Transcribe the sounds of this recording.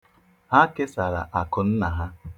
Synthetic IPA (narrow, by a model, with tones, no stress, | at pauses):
ha˦ke˦sa˨ɾa̰˨ʔa˨kʊ˨n̩˦na˨ɦa˦